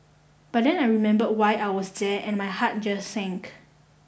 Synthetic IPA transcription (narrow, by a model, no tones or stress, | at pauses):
b̥at̚dɛ̃najɹimɛ̃mbədwajʔajwɔsdɛɛ̃nmajhat̚d͡ʒasːɛ̃ŋk